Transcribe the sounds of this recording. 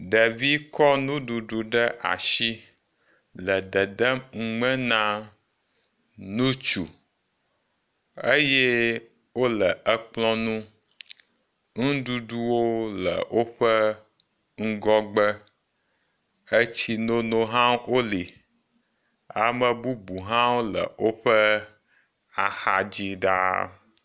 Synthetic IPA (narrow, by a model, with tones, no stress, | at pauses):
ɖə˨vi˦kɔ˦nũ˦ɖu˨ɖu˨ɖə˦ʔa̰˨ʃi˦ | lə˨d̪ə˨d̪ə˦mŋ̩˦ŋ͡mə̃˦nã˦ | nũ˦t͡ʃu˨ | ə˦jɛ˦ | wo˦lə˨ʔə˦k͡plɔ̃˦nũ˦ | ŋũ˦ɖu˦ɖu˦wo˦lə̰˨wo˦ɸə˦ | ŋ̩˦ɡɔ˦ɡ͡bə˦ | ə˦t͡ɕi˦no˦no˦ɦã˦wo˦li˨ | a̰˨mə˨bu˦bu˨ɦã˦wo˦lə̰˨wo˦ɸə˦ | a˨xa̰˨d͡ʑi˦ɖa̰˦